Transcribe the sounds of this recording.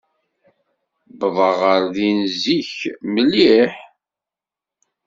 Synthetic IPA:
bðˤəʁəɾðinziçməlːiħ

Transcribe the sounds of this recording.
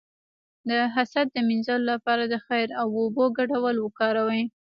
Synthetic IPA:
d̪əɦasad̪̚d̪əmɪnzɑlolapɑɾad̪əxajɾawoboɡaɖawalwəkɑɾawəj

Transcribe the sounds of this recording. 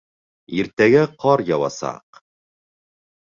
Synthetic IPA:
iɾt̪æɡæqʰɑɾjɑwɑ̰sɑ̰q

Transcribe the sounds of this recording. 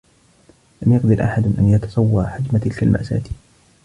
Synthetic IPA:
lamjaqd̪ɑɾʔaħad̪ʔa̰njɑt̪ɑ̥sˤɑwːɑːħad͡ʒmat̪ɪlkalma̰ʔsa̰ːt̪

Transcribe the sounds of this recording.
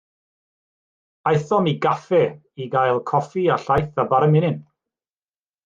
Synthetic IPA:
ajθɔmiɡafɛ | iɡajlˠkʰɔfiaɬajθabaɾəmɪnɪn

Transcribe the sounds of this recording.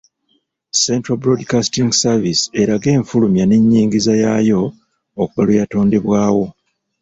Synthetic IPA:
se̞ntɾabɾodkastiŋɡsavisi̥e̞ɾaɡe̞ːɱfulumjane̞ɲːiːŋɡizajaːjo̞ | okuβalujato̞ːnde̞βwaːwo̞

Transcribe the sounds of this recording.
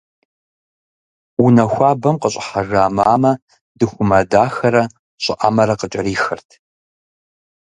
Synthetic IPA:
unɐxʷaːbɐmqəɕʼɪħaʒaːmaːmɐ | dɨxʷʊmɐdaːxɐɾɐ | ɕʼɪʔa̰mɐɾɐqət͡ʃʼɐɾiːxɐrtʰ

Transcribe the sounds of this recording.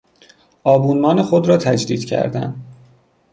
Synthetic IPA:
ʔɒːbuːnmɒːnexod̪ɾɒːt̪ʰæd͡ʒd̪iːd̪̥cʰæ̰ɾd̪æ̰nd̪

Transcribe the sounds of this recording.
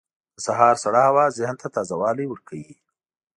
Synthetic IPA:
d̪̥əsaɦɑːɾsaɽahawazɪhnt̪at̪ɑːzawɑːliwəɾkʰawi

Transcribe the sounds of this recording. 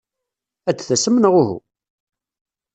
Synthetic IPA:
æt͡sːθæsəmnəʁʊɦṵ

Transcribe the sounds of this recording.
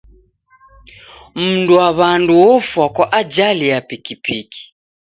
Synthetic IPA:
m̩nduwaβanduwɔfwakwaʔad͡ʒalijapikipiki̥

